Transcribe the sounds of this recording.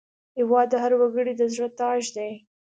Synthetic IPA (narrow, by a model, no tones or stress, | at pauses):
ɪwɑd̪ːəɦaɾwaɡəɽid̪əzɽət̪ɑʒd̪ej